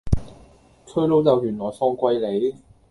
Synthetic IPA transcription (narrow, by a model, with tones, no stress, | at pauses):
t͡sʰɵ˥ɥlo˨˥wt͡sɐ˨wjyː˨˩nlɔː˨˩jsɔː˧ŋkʷɐ˧jle˨˧˥j